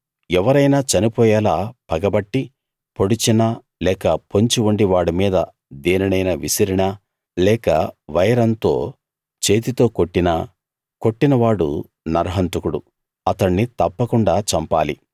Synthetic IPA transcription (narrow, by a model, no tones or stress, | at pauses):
ɛʋɐɾɐjnaːt͡ʃɐnipɔːjɐːlaːpɐɡɐbɐʈːi | po̞ɽit͡ʃinɐ | lɛːkɐpo̞ɲt͡ʃiuɳɖiʋaːɽumiːd̪ɐ | d̪eːnɐnɐjnɐʋisiɾiɳɐ | lɛːkɐ̰ʋɐjɐɾɐnt̪o̞̰ː | t͡ʃe̞ːt̪it̪o̞ːko̞ʈːinɐ | ko̞ʈːinɐʋaːɽṵ | nɐɾɦɐnt̪ukuɽṵ | ɐt̪ɐɳːit̪ɐpːɐkuɳɖaːt͡ʃɐmpa̰ːli